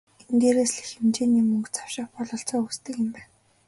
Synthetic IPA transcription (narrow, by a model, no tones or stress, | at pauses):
enɡ̪eːɾeːsɮixemt͡ɕeːniːmɵŋkt͡sʰḁw̥ʃɪ̆χpɔɮɞ̆ɬt͡sɔːust̪ɘ̆kɪ̆mpæːn